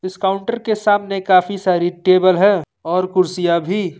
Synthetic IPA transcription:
ɪskaːʊ̃ɳʈəɾkesaːmnekaːfisaːɾiʈeːbəlɦɛː | ɔːɾkʊɾsijabʱi

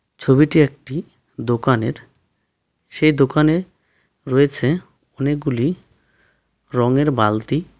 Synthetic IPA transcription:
t͡ɕʰobiʈiek̚ʈi | d̪okaneɾ | ʃejd̪okane | ɾɔet͡ɕʰe | ɔnek̚ɡuli | ɾɔŋeɾbalt̪i

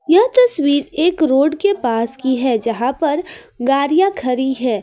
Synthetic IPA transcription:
jɐɦt̪ɐswiːɾeːkɾoːɖkepaːskiɦɛːd͡ʒɐɦãpɐɾɡaːɾijakʰɐɾiɦɛː

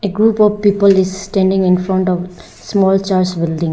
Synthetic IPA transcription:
eɡɾuːpɔʋpiːpəlɪzsʈɛ̃ɳɖɪ̃ŋɪ̃nfɾɔ̃ɳʈɔʋ | smɔːlt͡ʃaːɾsbɪlɖɪ̃ŋ

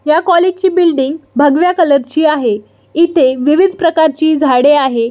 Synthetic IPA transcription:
jakɔled͡ʑt͡ɕiːbilɖiŋɡbʱəɡʋjakələɾt͡ɕiːaɦe | it̪eʋiʋid̪ʱpɾəkaɾt͡ɕiːd͡zʱaɽeaɦe

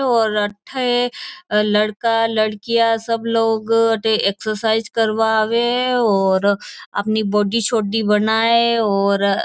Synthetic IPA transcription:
ɔːɾɐʈʰːəelɐɽkalɐɽkijasɐbloːɡʈeeːksəɾsaːɪzkɐɾʋaʋeɔːɾɐ̰pnibɔːɖit͡ʃʰoːɖibɐnaːeɔːɾ

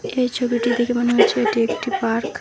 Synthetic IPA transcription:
ejt͡ɕʰobiʈid̪ʱikemoneɦot͡ɕʰeeʈiekʈibaɾk

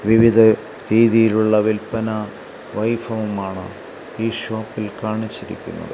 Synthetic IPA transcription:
ʋiʋid̪ʱɐ | ɾiːðijiluɭːɐʋilpɐnɐ | ʋɐjfɐʋumaːɳɨ̰ | iːɕo̞ːpːilkaːɳit͡ɕːiɾḭkʲːṵnːɐ̰ðɨ̰

